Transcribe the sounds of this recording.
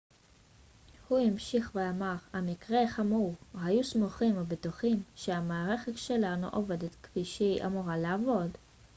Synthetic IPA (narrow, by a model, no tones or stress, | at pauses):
huimʃiχveamaʁhamikʁeχamuʁhajusmoχimabet̪uχimʃeamaːʁe̞χetʃe̞lanṵʔove̞det̪kfiʃiʔa̰muʁalaavo̞d